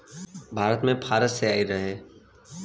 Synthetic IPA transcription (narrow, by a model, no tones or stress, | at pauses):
bʱaːɾət̪mẽpʰaːɾəseaːiɾɐɦeː